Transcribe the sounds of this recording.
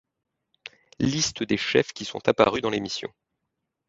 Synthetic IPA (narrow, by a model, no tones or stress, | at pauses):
list̪əd̪eʃɛfkʲisɔ̰̃t̪apa̰ʁyd̪ɑ̃lemisjɔ̰̃